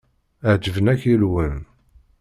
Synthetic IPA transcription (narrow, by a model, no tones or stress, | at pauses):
əʕd͡ʒəvənæçilwən